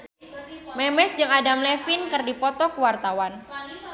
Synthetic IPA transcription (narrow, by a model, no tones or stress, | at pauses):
mɛmɛsd͡ʒɨŋadamlɛfɪnkɨrdipɔt̪ɔkuwart̪awan